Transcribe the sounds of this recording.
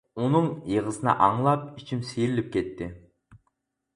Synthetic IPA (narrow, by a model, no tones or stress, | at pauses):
unʊŋjəʁəsɨnɑ̰ʔɑŋlˠɑp̚it͡ʃʰimsijɾilip̚kʲʰet̪ːɪ